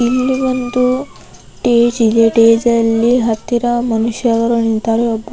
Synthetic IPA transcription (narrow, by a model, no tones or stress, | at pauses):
ilːiʋɐnd̪u | ʈeːd͡ʒid̪eʈeːd͡ʒɐlːiɦɐt̪ːiɾɐmɐnuʂjɐɡɐɾɐnint̪aːɾeɔbːɐ